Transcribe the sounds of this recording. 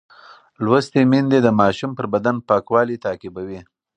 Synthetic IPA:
lwəst̪emind̪ed̪əmɑʃumpəɾbad̪anpɑkwɑlit̪ɑːkɪbawi

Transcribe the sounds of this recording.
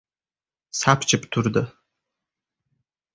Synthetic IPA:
sapʰt͡ʃʰɨptʰurd̪ɐ

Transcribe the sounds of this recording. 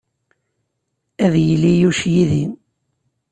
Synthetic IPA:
æðjəlːijuʃjiðin

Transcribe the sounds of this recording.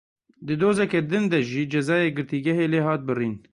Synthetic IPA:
d̪ɨd̪oːzɛkɛd̪ɨnd̪ɛʒiːd͡ʒɛzɑːjeːɡɨɾt̪iːɡɛɦeːleːɦɑːt̪̚bɨriːn

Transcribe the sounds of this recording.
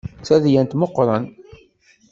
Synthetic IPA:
t͡sːæðjænt̪moqːɾˤɑn

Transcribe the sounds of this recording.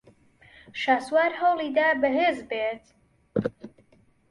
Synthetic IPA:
ʃaːswaːɾɦəwliːd̪aːbəɦeːzbeːt̪

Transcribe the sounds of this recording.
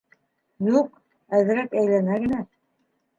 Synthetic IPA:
juq | æðɘ̆ɾækæjlænæɡɘ̆næ

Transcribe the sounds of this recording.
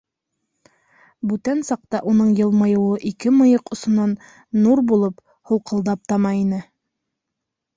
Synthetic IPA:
bʉt̪ænsɑq̚t̪ɑʔunɤɴjɤ̆lˠmɤ̆jɤ̆wɤʔikɘmɤ̆jɤqŏsŏnɑnː | uɾbulˠɤp | hŭlˠqɤ̆lˠd̪ɑp̚t̪ɑmɑinɘ

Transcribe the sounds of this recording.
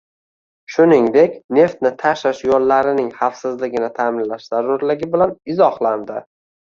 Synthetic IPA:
ʃʊnɪŋd̪e̞kʲne̞ft̪nɪt̪ʰaʃɪʃjɒlːaɾɪnɪŋχafsɪzlɪɡʲɪnɪt̪ʰamɪnlaʃz̥aɾːʊɾlɪɡʲɪbɪlanɪzɒhlˠand̪ɪ

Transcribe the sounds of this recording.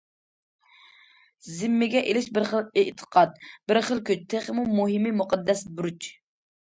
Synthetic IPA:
zɪmːɪɡʲɛʔelɪʃbɪɾχəlˠeʔt̪ʰə̥qʰɑt̪̚bɪɾχəlˠkʲyt͡ʃt̪ʰeχmumuɦɪmimuqʰɑd̪ːɛsbɾut͡ʃʰ

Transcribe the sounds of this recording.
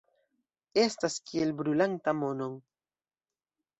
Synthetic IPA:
e̞staskielbɾulantamo̞no̞ŋ

